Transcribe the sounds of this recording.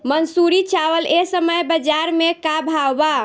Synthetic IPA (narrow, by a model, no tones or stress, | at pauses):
mənsuɾit͡ʃʰaʋəlesəməjbəd͡ʒaɾmekabʱawba